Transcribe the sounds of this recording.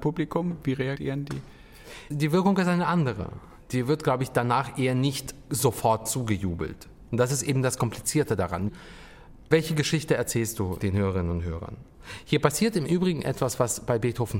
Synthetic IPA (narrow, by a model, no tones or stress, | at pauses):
publikʰʊmviːʁeaɡḭːʁəndḭː | diːvɪɐkʊŋɪstaɪnəʔandəʁə̰ | d̥iːvɪɐt̚ɡ̥laʊbəɪçd̥anaːχʔeːɐnɪçtz̥ofɔɐt̚t͡suːɡəjṵːbl̩t | ʊnt̚d̥as̬ɪstʔeːbm̩daskʰɔmpʰlit͡siːɐtədaʁa̰n | vɛlçəɡəʃɪçtəɛɐt͡sɛːlstd̥uːd̥eːnhøːʁəʁɪnənʊntɦøːʁɐ̰n | hiːɐpasiːɐtɪmʔyːbʁɪɡŋ̩ʔɛ̰tv̥asv̥asb̥aɪbeːthoːfn̩